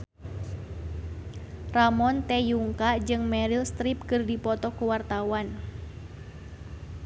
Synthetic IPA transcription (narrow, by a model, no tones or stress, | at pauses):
ramɔnt̪ɛjuŋkad͡ʒɨŋmɛɾilst̪ɾip̚kɨrdipɔt̪ɔkuwart̪awan